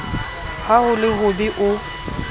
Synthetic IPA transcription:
hahʊlɪɦʊbɪʔʊ

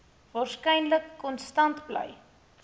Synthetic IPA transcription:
vɑːrskəjnləkːɔnstɐntblə̰j

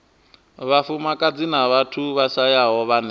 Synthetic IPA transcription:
βafumakʼad͡zinaβatʰuβaʃajaɦɔβanɛ

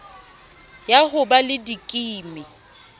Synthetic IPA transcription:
jahʊbalɪdikʼiːmɪ

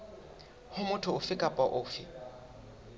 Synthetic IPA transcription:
hʊmʊtʰʊʊfɪkʼapʼaʔʊːfɪ̰

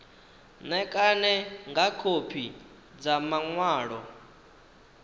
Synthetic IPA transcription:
nɛkʼanɛŋɡakʰopʰi | d͡zamaŋwaːɺɔ

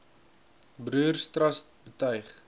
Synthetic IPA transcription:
bruːrstrɐstbətœjχ

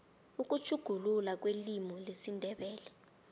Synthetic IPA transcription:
uk̬ut͡ʃʰuɡ̥ʱululak̬welimɔlesindʱɛɓɛːlɛ

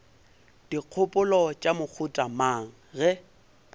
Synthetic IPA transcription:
d̥iq͡χʰʊpʼʊlɔt͡ʃʼamʊk͡xʰʊtʼamaŋ̩ɣɛ

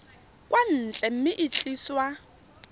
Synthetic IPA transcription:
kʼwʔan̩ːt͡ɬʼɛm̩mɪʔit͡ɬʼiːswa

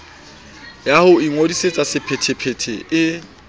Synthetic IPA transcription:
jahʊiŋodiset͡sʼasɪpʰɛtʰɛpʰɛtʰɛɪ

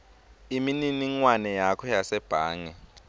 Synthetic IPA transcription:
imininiŋwanɛjakʰɔjasɛb̥ʱaːŋɛ

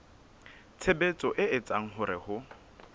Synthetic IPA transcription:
t͡sʰebet͡sʼɔʔɪɪt͡sʼaŋ̩ɦʊɾɪhʊ

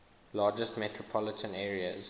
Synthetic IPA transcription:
lɑːd͡ʒəstmɛtʰɹɔpʰɔlɪtʰə̃nɛːɹiə̰z

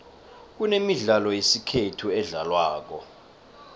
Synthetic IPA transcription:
k̬unemiɮalɔjesikʰetʰuɛɮalwaːk̬ɔ

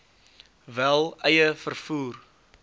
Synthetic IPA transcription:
vælˠəjəfərfuːr

